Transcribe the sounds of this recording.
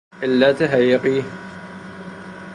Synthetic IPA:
ʔɪlːaːt̪aɦajːɪqiː

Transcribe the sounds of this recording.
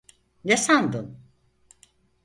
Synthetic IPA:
jesand̪ɯn

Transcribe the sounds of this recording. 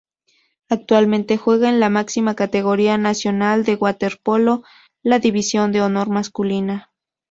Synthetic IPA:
ak̚t̪walmẽnt̪e̞xwe̞ɣaenlamaksimakat̪eɣoɾianasjo̞nald̪e̞ɣwat̪eɾpolo | laðiβisjo̞nd̪eono̞ɾmaskulina

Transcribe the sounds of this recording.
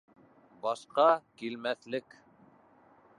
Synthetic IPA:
bɑʃqɑkilmæθlɘk

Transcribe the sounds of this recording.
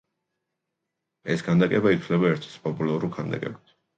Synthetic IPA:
ɛskʰand̪akʼɛbait̪ʰlɛbaɛɾt̪ʰɛ̥spʼɔpʼulaɾulˠkʰand̪a̰kʼɛ̰bit̪ʰ

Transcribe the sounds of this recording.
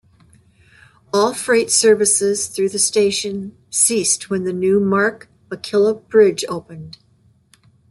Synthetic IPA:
ɔlˠfɹeɪtsɜ˞vɨsɪz̥θɹʉðɨsteɪʃɨ̃n | sist̚wə̃nðɨnʉmɑɹk | əkʰɪlˠəb̥ɹɪd͡ʒoʊpɨ̃nd̥

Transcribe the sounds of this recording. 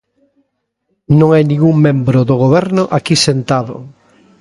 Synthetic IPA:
nõŋajnĩŋɡuŋmẽmbɾʊðʊɣ̞oβɛɾnʊʔakisent̪aðʊ̰

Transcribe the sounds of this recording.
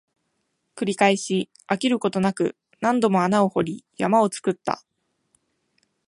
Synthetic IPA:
kɯ̟ɾʲikaiɕi | akʲiɾɯ̟ko̞t̪o̞nakɯ̟̰ | nãnd̪o̞mo̞anao̞ho̞ɾʲijamao̞t͡sɨ̥kɯ̟t̪ːa̰

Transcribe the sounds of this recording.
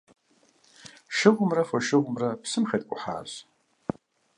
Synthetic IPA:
ʃɪʁʷʊmrafoʃɪʁʷʊmrapsɨmxʲɐtʼkʷʼʊħa̰ːɕ

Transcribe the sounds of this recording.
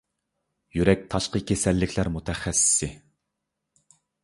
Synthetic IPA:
jyɾɛk̚ʲt̪ʰɑʃqəkʲʰesɛlːɪkʲʰlæɾmut̪ʰɛχɛsːɪ̥sɪ

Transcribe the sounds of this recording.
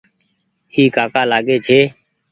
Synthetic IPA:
iːkaːkaːlaːɠeːt͡ʃʰeː

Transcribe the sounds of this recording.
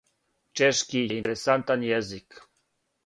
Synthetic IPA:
t͡ʃɛʃkijeinɾesant̪anjɛzik

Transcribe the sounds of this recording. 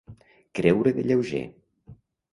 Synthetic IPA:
kɾɛwɾeðeʎewʒḛ

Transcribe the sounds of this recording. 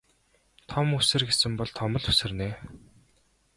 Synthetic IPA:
t̪ʰɔmusɘ̆rɡesɘ̆mpɔɮt̪ʰɔmɞ̆ɮu̥sɘ̆rneː

